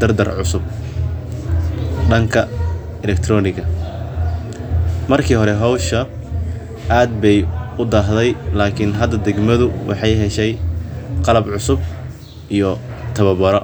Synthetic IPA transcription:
d̪ɐrd̪ɐrʕʊsʊb̚ | ɖɐŋkʰɐ | ɛlɛk̚t̪ʰrɔːnɪɣɐ | mɐrkʰiːɦɔɾɛɦɔwʃɐ | ʔaːd̪̚bɛjʊd̪aɦðɛjlaːkʰɪnɦɐd̪ɐd̪ɛɡmɐðʊwʔɑ̰ħɑjɦɛʃɛjqɑlɐbʕʊsʊb̚ | ʔijɞt̪ʰɐβɐbɐɾɔ

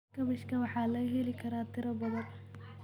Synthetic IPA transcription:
kʰɐβɪʃkʰɐwɑħɑːlɐɦɛlɪkʰɐɾaːt̪ʰɪɾɐbɐðɐn

